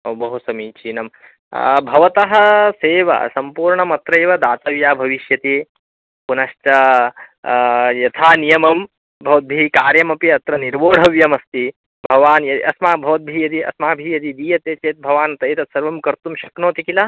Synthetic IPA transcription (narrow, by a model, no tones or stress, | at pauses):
oːbɐɦusɐmiːt͡ʃʰiːnɐm̰ | bʱɐʋɐt̪ɐɦɐseːʋɐ̰sɐmpuːɾɳɐmɐt̪ɾɐːʋɐd̪aːt̪ɐʋjaːbʱɐʋiʃjɐt̪i | punɐʃʈɐ | jɐt̪ʰaːnijɐmɐm | bʱɐʋɐt̪̚bʱiːkaːɾjɐmɐpiɐt̪ɾɐniɾʋoːɽ̤ʱɐʋjɐmɐst̪i | bʱɐʋaːnjɐd̪iʔɐsmaːbʱɐʋɐt̪̚bʱijɐd̪iɐ̰smaːbʱijɐd̪id̪iːjɐt̪eːt͡ʃeːt̪̚bʱɐʋaːnɐt̪ɐjt̪ɐsɐɾʋɐmkɐɾt̪umʃɐknoːt̪ikila